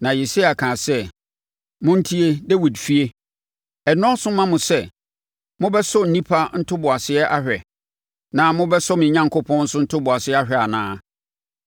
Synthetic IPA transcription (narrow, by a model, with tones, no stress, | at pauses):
nã˨ji˨si˦a˨kʰãː˨sɛ˦˨ | mʊ̃˦n̩˦tʰi˦e˦de˦wi˨dfi˦e˦ | ɛ˨nɔ̃˦sʊ̃˦mã˦mʊ̃˨sɛ˦˨ | mʊ̃˦bɛ˦sɔ˦n̩˨nĩ˦pʰa˦n̩˦tʰʊ˦bʊ˨a˨sɪ˦ɛ˦ʔa˦hᶣɛ˨ | nã˨mʊ̃˦bɛ˦sɔ˦mɪ̃˨ɲã˦ŋkʰʊ˦pʰɔ̃˦n̩˦sʊ̃˦n̩˦tʰʊ˦bʊ˨a˨sɪ˦ɛ˦a˦ɦᶣɛ˨a˨nã̰ː˦